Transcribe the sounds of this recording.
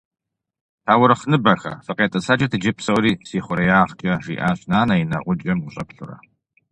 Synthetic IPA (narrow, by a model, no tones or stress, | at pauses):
tʰaːwʊɾɨχnɨbɐxɐ̰fɨqeːtʼɐsʰaːt͡ʃʼɐtʰɨd͡ʒɪpsɐwɾiːsiːχʷʊɾɐjaːʁt͡ʃʼɐʒḭːʔaːɕnaːnɐjinɐ̰ʁʷʊd͡ʒʼɐmwʷʊɕʼɐpɬʊrɐ̰